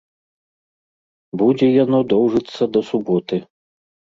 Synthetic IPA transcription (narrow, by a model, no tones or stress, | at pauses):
bud͡zʲɛjanɔd̪ɔwʐɨt̪sːɐd̪ɐsubɔt̪ɨ